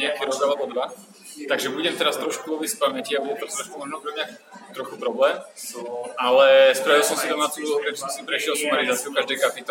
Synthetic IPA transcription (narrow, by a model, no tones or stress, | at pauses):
ɲɪɛk̚t̪ɔɾɔdalɛbɔd̪ʋa | t̪aɡʒɛbuɟɛmt̪ɛɾast̪ɾɔʃkuɔbisfpamɛciabɔlɔt̪ɔst̪ɾɔʃkumɔʒnɔpɾɛmɲa | t̪ɾɔxupɾɔblɛːm | alɛspɾaʋilˠsɔmsid̪ɔmaːt͡suɾɛt͡ʃnasipɾɛʃɪɛlˠsumaɾizaːt͡siukaʒd̪ɛjkapit̪